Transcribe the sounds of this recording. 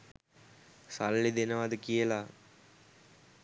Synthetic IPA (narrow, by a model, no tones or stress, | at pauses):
salːid̪enəʋad̪əkijəla